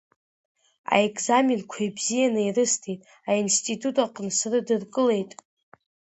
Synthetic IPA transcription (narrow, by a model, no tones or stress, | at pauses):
a̰ekʰʼzamenkʷʰajbzijanɨirɨstʰejtʼ | ainstʼitʰutʼaqʼənsrɨdɨrkʼɨle̞jtʼ